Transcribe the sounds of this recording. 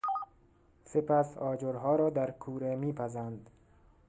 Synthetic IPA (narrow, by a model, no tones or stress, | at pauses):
sepæsɒːd͡ʒoɾɦɒːɾɒːd̪æɾkʰuːɾemiːpʰæzænd̪